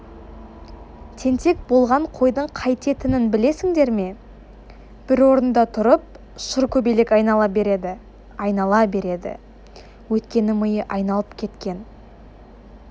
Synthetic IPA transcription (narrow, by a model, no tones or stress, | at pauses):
t̪ʰe̞nt̪e̞k̚bo̞lˠʁɑɴqʰo̞jd̪əɴqʰɑjt̪e̞t̪ɪnɪnbɪle̞sɪŋd̪e̞ɾme̞ | b̥ɪɾwo̞ɾənd̪ɑt̪ʰʊɾəp̚ | ʃʊɾkʲʰɵbelekɑjnɑɑbɾed̪ɪ | ɑjnɑlˠɑbe̞ɾe̞d̪ɪ̰ | wɵt̪kʲe̞nɪməjəʔɑjnɑlˠəpkʲʰe̞t̪kʲe̞n